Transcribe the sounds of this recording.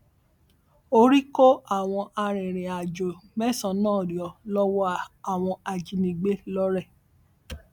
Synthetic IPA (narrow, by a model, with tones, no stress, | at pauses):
o˧ɾi˦ko˦a˦˨w̃ɔ̃˧ʔa˧ɾ̃ɛ̃˨ɾ̃ẽ˨a˨d͡ʒo˨mɛ̃˦˨sɔ̃˧˦nãː˦˨ɾɔ˨lɔ˦wɔ˦a˦a˨w̃ɔ̃˧a˧d͡ʒi˨˧nĩ˨˧ɡ͡be˦lɔ˦ɾɛ˦˨